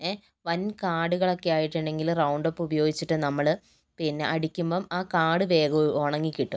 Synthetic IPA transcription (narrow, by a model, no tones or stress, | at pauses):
e | ʋɐnkaːɽuɣɐɭo̞kːejaːjiʈːuɳɖe̞ŋɡilrɐwɳɖopːubɐjo̞ːɡit͡ɕːiʈːɨnɐmːɐɭ | pinːe̞̰ʔɐɽikʲːumboːmaːkaːɽɨʋe̞ːɡɐoɳɐŋːikʲːiʈːum